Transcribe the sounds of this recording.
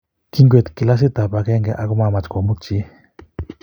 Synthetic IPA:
ki˦ŋɡe˨t̪ki˨la˦s̬i˦t̪a˨pa˨˧ke˦ŋɡe˨ʔa˨ku˦ma˨ma˨t͡ʃko˨mu˦k̚t͡ʃi˦

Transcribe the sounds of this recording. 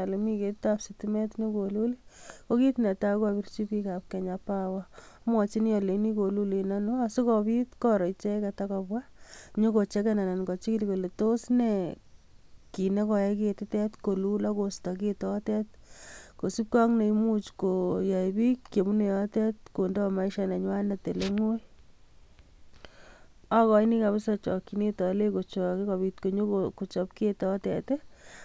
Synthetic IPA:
a˨le˨mi˦ketapsitimɛ˦tɲo˦ko˨lu˦liko˦ki˦tne˨ta˦kwapi˦ɾt͡ʃipikap̚ke˨ɲapawa | mwɔt͡ʃi˦njɔle˨ni˦ko˨lu˦le˨nano˦asu˦kɔ˧pitkɔɾɔ˨it͡ʃe˦kɛtakɔpwaɲo˦ko˨t͡ʃe˦kɛna˨na˨nkɔ˨t͡ʃikiliko˨le˨to˦sne | ki˨ne˦kɔ˧jɛ˦ketɪtɛ˦tko˨lula˦kosta˨ketɔtɛt | ko˨si˦p̚kɔ˦ŋne˨i˦mu˦t͡ʃko˨ja˨jbi˦kːke˨mu˦ne˨jɔ˦tɛ˦t̚ko˨ndɔ˦ma˦i˦ʃana˨ɲwa˦na˨te˨le˦ŋo˦j | a˦kɔ˨ini˦ka˨βɪ˦sat͡ʃɔ˨kːi˨ne˦tɔ˨le˦ko˨t͡ʃɔ˨ke˦ka˨bi˨tko˨ɲo˦koko˨t͡ʃɔ˨pketɔ˨˦tɛ̰˨te˦

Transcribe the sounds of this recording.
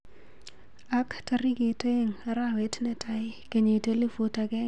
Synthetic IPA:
a˦kta˦ɾi˦ke˨te˦ŋa˦ɾawe˨tnɛ˦tʰa˦ɪ˦ke˨ɲe˨te˦li˦fo˨ta˨kɛ˦

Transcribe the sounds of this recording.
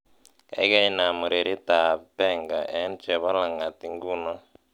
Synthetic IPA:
ka̰˨jka˦i˦na˨mɔ˨ɾe˨ɾi˦ta˨pɛ˦˨ŋɡa˨ʔɛ˨˦nt͡ʃɛ˨βa˦la˨ŋa˨ti˦ŋ˦ɡu˦na˦

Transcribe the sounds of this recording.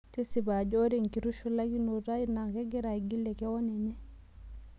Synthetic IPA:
ki˦si˨ba˨d͡ʒɔ˦ɾe˨ŋki˨ɾu˦ʃu˦la˦ki˦no˨ɾa˦i˦na˨kɛ˦ɡɛ˦ɾa˨i˨ɡi˦lɛ˨kɛ˦wɔ˦nɛ˨ɲɛ˦

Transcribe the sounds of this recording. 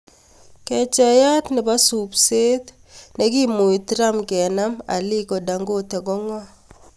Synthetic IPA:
kɛ˨t͡ʃɛ˨ja˦t̪nɪ˨ba˦su˨pse˦t̪ | ne˦ki˦mu˨i˨tɾa˦mkɛ˨na˦ma̰˨lɪ˦kɔ˨da˨ŋɡo˦tɛ˨ɡɔ˦ŋwa˦

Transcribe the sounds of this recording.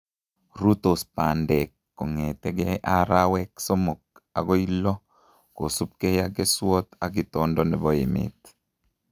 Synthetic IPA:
ɾu˦t̪o˨spa˨ndɛkːɔ˨ŋɛ˨t̪ɛɡɛ˦ʔaɾawɛkso˦mo˨k̚a˨ɡo˦ilɔ˦ | ko˨su˦p̚kɛ˦jaɡɛ˦swɔ˦t̪a˨ɡit̪ɔndɔnɛ˨bɔɪ̰˨mɪ̰˨t̪

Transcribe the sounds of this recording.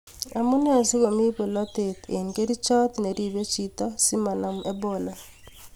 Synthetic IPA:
a˨mʊ˦ne˦a˨si˦ɣo˨mi˦po˨lɔ˦te˨t̪e˨nke˦ɾi˦t͡ʃɔ˦t̪ne˨ɾi˨be˦t͡ʃi˦t̪ɔ˦si˦ma˨na˨me˦bola˨

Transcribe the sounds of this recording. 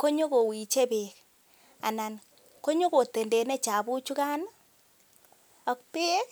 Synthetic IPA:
ko˦ɲo˦ko˨wi˨t͡ʃe˦be˨k | a̰˨na˨n | ko˦ɲo˦ko˨te˨nde˨ne˦t͡ʃa˨bu˦t͡ʃu˦ka˦na˦ | a˨kpe˦

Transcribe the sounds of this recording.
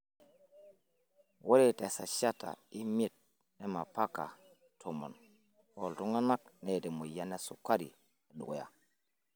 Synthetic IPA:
wo˦ɾe˦te˨sa˨ʃa˦ta̰˨i˦mi˦˨t̚ | ne˦ma˨pa˦ka̰˨ | tʰo˨mo̰˨n | ho˨ltu˦ŋa˦nma˦k̚ne˨te˨mu˨ja˦ne˦su˨ka˦ɾḭ˨ | ɗu˨ɡo˨ja̰˦

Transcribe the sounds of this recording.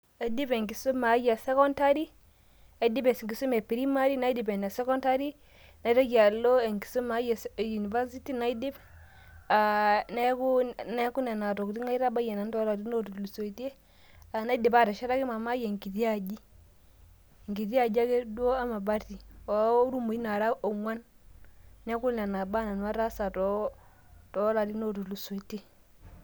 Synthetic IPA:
a˨di˦be˨ŋki˨so˦ma˨˦ja˨sɛ˦kɔ˦nta˦ɾi˦ | a˨i˦di˦be˨sŋɡi˨su˦me˨pi˨ɾi˦ma˦ɾi˦na˦i˦di˨be˨n˨a˨sɛ˦kɔ˦nta˦ɾi˦ | na˨i˦ɾa˦d͡ʒa˨lːo˦e˨ŋki̥˨so˦ma˨˦ja˨sju˨ni˨va˦si˦ti˦na˨˦i˦di˦b | a˨na˦ku˦na˦ku˦na˨na˨tɔ˨kti˦ŋa˦i˦ɾa˦ba˦je˨na˨˦ntɔ˦la˨i˦no˦tu˨lu˨so˨te˦ | a˨na˦i˦di˨ba˦˨ta˨ʃa˦ɾa˦ki˦ma˨ma˦je˨ŋki˨ti˦a˨d͡ʒi˦ | ŋ˨ki˨ti˦a˨d͡ʒa˦ke˦du˦o˦a˦ma˨ba˦ti˨wa˨˦ɾu˦mu˨i˦na˨ɾa˦o˨ŋwa˦n | nɛ˦ku˦na˨na˨ba˦na˨nwa˦ɾa˦sa˨tɔ˨˦ | tɔ˦la˨ti˦no˦tu˨lu˨so˨i˨te˦

